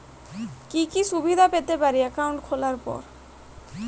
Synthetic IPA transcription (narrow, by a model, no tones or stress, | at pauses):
kikiʃubid̪ʱapet̪epaɾiɛkawuɳʈkʰolaɾpɔ̰ɾ